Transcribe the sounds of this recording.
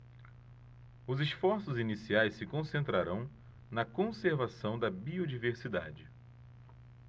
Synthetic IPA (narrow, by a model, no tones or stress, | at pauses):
ʊzisfɔɾsʊzinisiajssɪkõsẽnt̪ɾaɾɐ̃w̃ | nɐkõseɾvasɐ̃w̃d̪ɐbiod͡ʒiveɾsid̪a̰d͡ʒɪ